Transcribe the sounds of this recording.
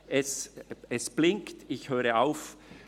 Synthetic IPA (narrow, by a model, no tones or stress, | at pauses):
ʔɛsɛsb̥lɪŋktɪçhøːɾəaʊf